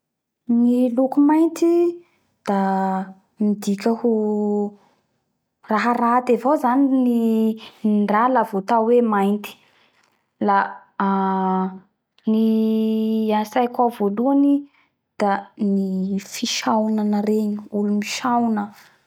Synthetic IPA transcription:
nilukumajnt̪i | d̪̥a | mid̪ikʲəhu | raɦaɾat̪evozanini | ɳɖ͡ʐalavot̪awemajnt̪i̥ | la | ni | asajkavoluani | d̪̥anifiʃawnanaɾeɲiulumiʃawnə

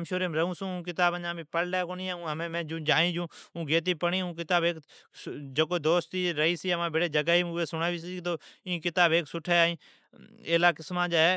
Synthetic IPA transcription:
mʃoːɾeːmɾəɦũːsũːũːk̬ɪt̪aːbəɲãːbiːpəlɖeːkoːniːẽːũːɦəmẽːmɛ̃ːd͡ʒũːd͡ʒaːĩːd͡ʒũːũːɡeːt̪̬iːpəɳiːũːk̬ɪt̪aːbeːk | d͡ʒəkoːd̪oːst̪iːɾəɦiːsiːəmãːbeɽeːd͡ʒəɡaːɦiːmʊeːsʊɽaːʋiːsiːt̪oːĩːkɪt̪aːbeːksʊʈʰeːaːĩː | eːlaːkɪsmãːd͡ʒaːɦɛː

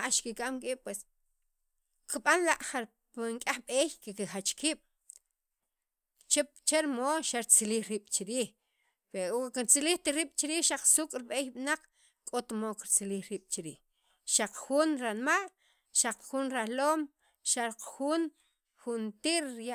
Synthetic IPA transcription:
aʔʃkikʼamkʼi̥ːpwes | kiɓanlaʔχaɾ | piŋkʼaχɓeːjkekixat͡ʃkiːɓ̥ | t͡ʃept͡ʃeɾmoːʃaɾt͡siliːχɾiːɓ̥t͡ʃiɾiːχ | peokkiɾt͡siliːxt̪iɾiːɓ̥t͡ʃiɾiːʃaq͡χsuːkʼɾiɓeːjɓnaq͡χ | kʼot̪mokiɾt͡siliːxɾiːɓ̥t͡ʃiɾiːx | ʃaq͡χxuːnɾanmal | ʃaqxunɾaloːm | ʃaɾqxuːn | xunt̪iːɾja

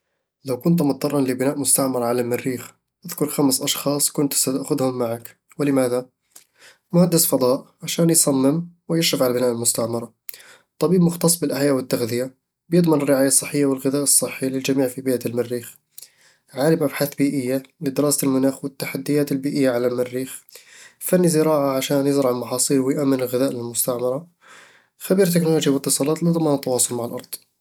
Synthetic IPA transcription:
lawkʊnt̪̬mʊt̪ˤːɑrˤːɑnlɪbɪnaːʔmʊst̪aʕmɑɾˤɑʕalamɪrːiːx | ʔaðkʊɾˤxamsʔɑʃxɑːsˤkʊnt̪sat̪aʔxʊðhʊmːaʕak | wɪlɪmaːða | mʊhad̪ːɪsfɑd̪ˤɑːʔʕaʃaːnjsˤɑmːɪmwɪjɪʃːɪfʕalabɪnaːʔɪlmʊst̪aʕmɑɾˤɑ | t̪ˤːɑbiːbmʊxt̪ɑsˤbɪlʔaħjaːʔwɪt̪ːaɣd̪ɪja | bjɨd̪ˤmɪnɪrːɪʕaːjasˤːɨħːɪjːawɪlɣɪðaːʔsˤːɨħːilɪld͡ʒamiːʕfibiːʔalmarːiːx | ʕaːlɪbmʔabħaθbiːʔɪjːalɪd̪ɪɾɑːsalmʊnaːxwɪt̪ːaħad̪ːɪjaːt̪ɪlbiːʔɪjːaʕalalmarːiːxfanːizɪɾɑːʕaʕaʃaːnjɪzɾˤɑʕɪlmɑħɑːsˤiːlwɪjʔamːɪnɪlɣɪðaːʔlɪlmʊst̪aʕmɑɾˤɑ | xabiːɾt̪ɪknʊloːʒjawɪt̪ːɨsˤɑːlɑːt̪lɪd̪ˤɑmɑnt̪ːɑwɑːsˤʊlmaʕalʔɑɾˤd̪̥ˤ

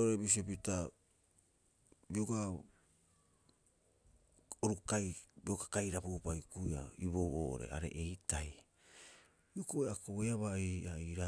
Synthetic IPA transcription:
oɾebis̬iopita | bioka | oɾukajbiokakajɾapupajkuia̰iβoβo̰ʔo̰ɾe̞̰a̰ɾe̞̰ʔejtaj | biokoeakoeaβaiaiɾa

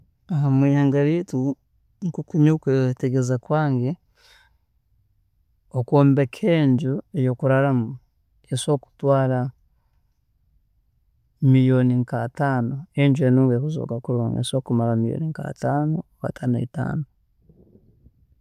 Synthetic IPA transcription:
aɦamwiːhaːŋɡaɾitu | ŋkukuɲokweteɡezakwaːŋɡe | okoːmbekʰeːɲɟuejokuɾaɾamu | eso̞ːku̥twaːɾa | mijoniŋkataːnoeɲɟuenuːŋɡekuzo̰kakuɾoːŋɡḛso̞ːkumaɾamijo̰niŋka̰taːnoka̰tʰana̰ita̰ːno

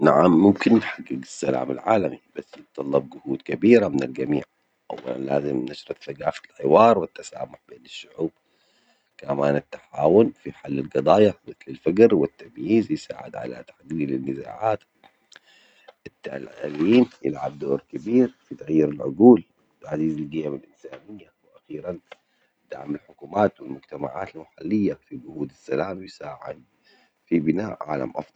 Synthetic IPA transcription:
naʕamːʊmkɪnnħaɡːɪɡɪsːala̰ːmɪ̰lʕaːlamib̥asːjɪt̪ˤːɑlːɑb̚ɡʊhuːd̪kabiːɾamɪnɪlɡamḭːʕ | ʔa̰wːa̰la̰nlaːzɪmnaʃɾˤɑθaɡaːfɪlħɪwɑːɾˤwɪt̪ːasa̰ːmʊħbeːnɪʃːʊʕuːb̚ | kamaːnɪt̪ːḁħaːwʊnfiħalːɪlɡɑd̪ˤɑːjamɪθlɪlfaɡɾwɪt̪ːamjiːzjsa̰ːʕɪd̪ʕa̰la̰t̪ḁħɡiːlɪnːɪza̰ːʕaːt̪ | ɪt̪ːa̰lliːnjɪ̰lʕa̰b̚d̪oːɾkabiːɾfit̪aɣjiːɾalʕʊɡuːl | ʕaziːzalɡɪjamalʔɪnsaːnɪjːawɪʔaxiːɾan | d̪̥aʕmalħʊkuːmaːt̪wɪlmʊɡt̪ama̰ʕa̰ːt̪almaħalːɪjːafilɡʊhuːd̪asːalaːmjɪsaːʕɪ̰d̪̚ | fibɪnaːʔʕa̰ːla̰mʔɑ̰fd̪ˤɑl

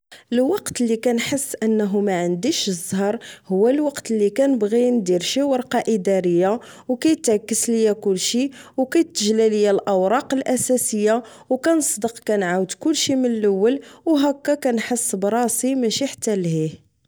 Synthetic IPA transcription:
əlwɑqt̪lːikænħəsːʔənːɦumæʕənd̪iʃzˤːhɑɾˤhʊwːælwɑqt̪lːikænəbɣind̪iɾʃiwəɾˤqɑʔəd̪æɾəjːa | wkæjət̪ʕkːəsləjækʊlːʃiwkæjət̪ːəʒlæləjælʔæwɾˤɑqəlʔæsæsəjːa | wkænəsˤd̪əqkænʕawəd̪kʊlːʃimənləwːəlwɦækːækænħəsːbɾˤɑsimæʃiħat̪ːælɦih

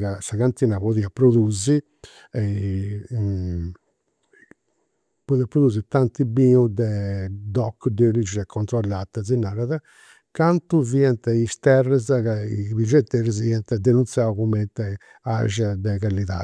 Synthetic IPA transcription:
ɣasaɣant̪inapoðiapɾod̪uzi | ɛ | pɔðiapːɾod̪uzit̪ant̪ibiud̪ɛd̪ɔkːd̪eɾid͡ʒɛkʰɔnt̪ɾɔlːat̪ːazinaɾaða | kant̪uviɛnt̪ist̪ɛrɛzkaibid͡ʒɛt̪ːɛɾiz̬iɛnt̪ɛd̪enunt̪sjawkumɛnt̪ɛ | aʒad̪ɛkalit̪a̰

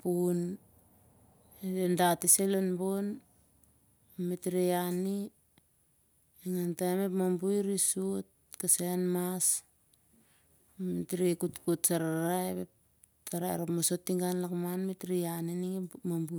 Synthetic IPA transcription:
pun | edendatiselonbon | metɾiani | iŋantaemepmambujɾisuot̚ | kaseanmas | metɾikutkutsaɾaɾaeβep̚ | taɾaḛɾopmosotːiŋɡanlakmanmetɾianiniŋemambu

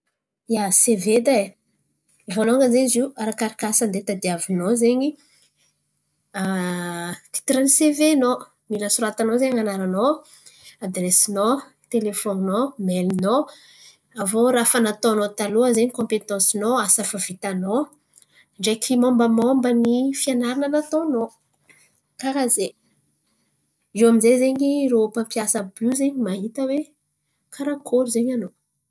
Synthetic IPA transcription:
jaseved̪a | voloŋəzeɲiziaɾakaɾikasənd̪et̪ad̪iavinozeɲi | a | t̪i̥t̪iɾaniseveno | milasuɾat̪anozeɲanaɾano | ad̪rɛsino | t̪elefɔninomɛlno | avoɾafanat̪onot̪aloəzeɲikɔ̃mpet̪ɑ̃sinoasafavit̪ano | ɳɖ͡ʐekʰimɔ̃mbəmɔmbənifianaɾanənat̪ono | kakaze | iwamizezeɲiropəmpiasəbuzeɲimaɦit̪əwe | kʰaɾakʰoluzeɲano

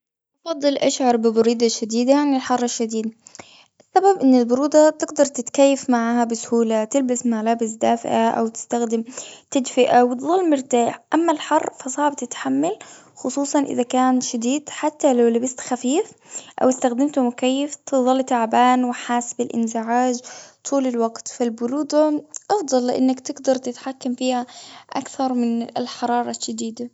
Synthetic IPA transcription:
ʔɑfɑd̪ˤːɨlʔaʃʕɑɾˤbɪbɑɾiːd̪aʃad̪iːd̪ajanɪlħɑrˤːaʃːad̪iːd̪ | ʔasːababʔɪnːɪlbʊɾuːd̪ɑt̪ɪɡd̪ɑɾˤt̪ɪt̪kajːafmaʕaːhabɪsʊ̥huːlat̪ɪlbasmalaːbɪsd̪aːfɪʔaʔa̰wt̪ɪ̥st̪axd̪ɪmt̪ad̪fɪʔawɪt̪ðˤɑlːmɪɾt̪aːħʔamːalħɑrˤːfasˤɑːʕb̚t̪ɪt̪ħamːal | xʊsˤuːsˤɑnʔɪ̰ðakaːnʃad̪iːd̪ħat̪ːalawlabɪst̪xafiːfʔa̰wɪst̪axd̪ɪmt̪ʊmʊkajːɪft̪ɨðˤɑlːt̪aʕbaːnwɪħaːsbɪlʔɪ̰nzɪʕaːd͡ʒt̪ʰˤuːlɪlwaɡt̪falbʊɾuːd̪ɑʔɑfd̪ˤɑlːɪʔanːakt̪ɪɡd̪ɑɾˤt̪ɪt̪ħakːamfiːhaʔakθɑɾˤmɪnɪlħɑɾˤɑːɾˤɑʃʃad̪iːd̪a

